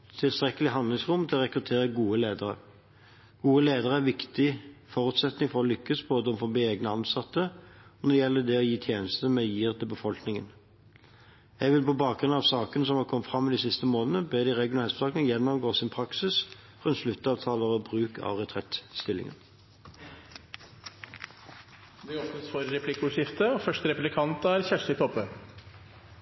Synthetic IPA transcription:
t̪ʰɪlst̪ʁɛkːəlɪɦɑnd̪lɪŋsʁʊmt̪ʰɪɔʁɛkʁʉt̪ʰeːʁəɡuːəleːd̪əɾə̰ | ɡ̥uːəleːd̪əʁəæʋɪkt̪ɪfɔʁʉːt̪sɛt̪nɪŋfɔʁɔlʏkːəsboːd̪əɔmfɔbiːeːɡnəɑnsɑt̪ːəɔnɔd̪ɛjɛlːəd̪ɛɔjiːt̪ʰjeːnəst̪əmɛjiːʁt̪ʰɪlbəfɔlknɪŋən | jæɪɡʋɪlpɔbɑːkɡʁʉnɑʋsɑːkənsɔmhɑkʰɔmːət̪fʁɑmːɪd̪iːsɪst̪əmoːnənəbeːd̪ɪʁɛɡʊnɑːlɛsfsɑːkənjɛnːɔmɡoːsɪnpʰɾɑksɪs | ʁʉnt̪ʂlʉt̪ːəɑːʋt̪ʰɑːləʁɔbʁʉːkʰɑ̰ʋʁɛt̪ʰʁɛt̪st̪ɪlːɪ̰ŋə̰n | d̪ɛɔfənsfɔɾɾɛpʰlɪkːʊʂɪft̪əɔfœʂt̪əɾɛpʉlɪkʰɑnt̪əæɾçæʂɪt̪ʰɔpːə

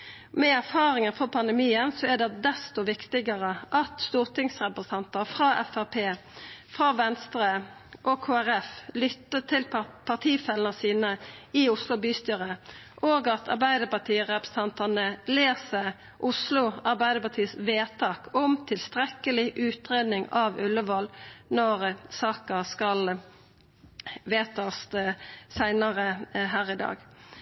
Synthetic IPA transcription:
mɛæʁfɑːʁɪŋənfɔʁpʰɑnd̪ɛmiːənsɔæd̪ɛd̪ɛst̪ɔʋɪkt̪ɪɡəʁəʔɑt̪st̪uːʁt̪ʰɪŋsʁɛpʁəst̪ʰɑnt̪əɾfʁɑːʔɛfæʁpʰeː | fʁɑːʋɛnst̪ʁə | ʔɔkʰoːæʁɛflʏt̪ːət̪ʰɪlpʰɑʁt̪ʰiːfɛlənəsiːnəɪʊslʊbyːst̪yːʁəʔoːɡɑt̪ʰɑ̰ʁbæɪd̪əpɑt̪ʰiːəʁɛpɾə̥sə̥t̪ʰɑnt̪ɑnəleːsə | ʔʊslʊɑʁbæɪd̪əpɑt̪ʰiːsʋeːt̪ʰɑːkɔmt̪ʰɪlst̪ʁɛkəlɪʔʉːt̪ʁeːd̪nɪŋɑʋʉlːəʋɔlnɔʁsɑːkɑskɑl | ʋeːt̪ɑɔssæɪnɑʁəɦæːʁɪd̪ɑ̰ːɡ

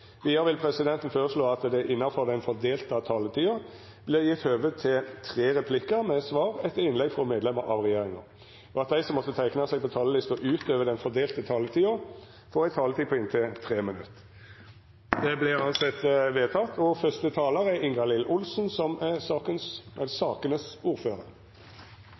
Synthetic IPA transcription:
ʋiːəɾʋɪlpʰɾɛsɪd̪ɛnt̪ənføːɾəsɭoːɑt̪d̪ɛʔɪnːɑfɔʁd̪ɛnfɔʁd̪eːlt̪ət̪ʰɑːlət̪ʰiːɑ | b̥lɪʁjɪt̪høːʋəd̪̚t̪ʰɪlt̪ʰʁeːʁɛpʰlɪkːəmɛsʋɑːʁɛt̪ʰːəɾɪnlɛɡfɔmeːd̪lɛməɾʔɑ̰ʋʁɛjeːʁɪŋɑ̰ | ɔɑt̪̚d̪æɪsɔmːɔt̪ːət̪ʰæɪknəsɛɪɡ̚pʰɔt̪ʰɑːləlɪst̪ɔʔʉːt̪øːʋəd̪ɛnfɔɾd̪eːlt̪ət̪ʰɑːlət̪ʰiːɑ | fɔːɾæɪt̪ʰɑːlət̪iːpʰɔɪnt̪ʰɪt̪ʰʁeːmənʉt̪ː | d̪ɛblɪʉːɑnsɛt̪ːʋeːt̪ʰɑt̪ʰɔfœst̪ət̪ʰɑːləɾɛɪŋɡɑlɪlʔʊlsnsɔmɛsɑːkənsɛsɑːkənəsuːʁføːʁəɾ

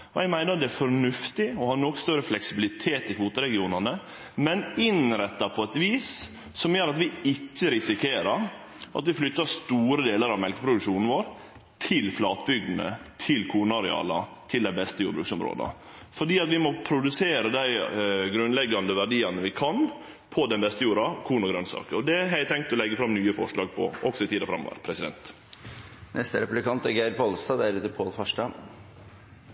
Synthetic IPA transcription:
ɔɛɡmæɪnəɾd̪ɛæɾfɔɳʉft̪ɪɔhɑːnɔkːst̪œɾəflɛksɪbɪlɪt̪ʰeːt̪ɪkuːt̪əɾɛɡɪuːnɑnə | mɛnɪnɾɛt̪ːɑpʰɔɛt̪ʋiːs | sɔmjøːɾɑt̪ʋɪɪcːəɾɪsɪkʰeːɾəɾ | ʔɑ̰t̪ʋɪflʏt̪ːəst̪uːɾəd̪eːləɾɑʋmɛlkə̥pʰɾʊd̪ʉkʂuːnn̩ʋoːɾ | t̪ʰɪlflɑːt̪bʏɡ̚d̪n̩ə̰t̪ʰɪlkʰuːnɑɾɛ̰ɑ̰ːlɑ̰t̪ʰɪld̪æɪbɛst̪əjuːɾbɾʉːksɔmɾo̰ːd̪ɑ̰ | fɔɖiːɑt̪ʋɪmɔpʰɾʊd̪ʉseːɾəd̪æɪɡɾʉnlɛɡːɑnd̪əʋæɖiːɑnəʋɪkʰɑn | pʰɔd̪ɛnbɛst̪əjuːɾɑkʰuːnʊɡɾœnsɑ̰ːkəɔd̪ɛæɦæɪt̪ʰːɛŋk̚t̪ɔlɛɡːəfɾɑmnyːəfɔʂɭɑːɡ̚pʰɔ̰ʔɔksɔɪt̪ʰiːd̪ɑfɾɑmːɔ̰ːʋə̰ɾpʰɾɛsɪd̪ɛ̰nt̪ | nʔɛst̪əɾɛpʉblɪkʰɑnt̪ɛɡæɪɾpʰɔlst̪ɑd̪æɾʉːt̪əpʰoːlfɑʂʈɑ

